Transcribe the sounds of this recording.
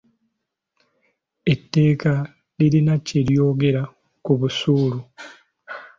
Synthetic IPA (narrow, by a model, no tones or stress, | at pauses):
e̞tːe̞ːka | liɾinaceɾjo̞ːɡe̞ɾa | kuβusuːlu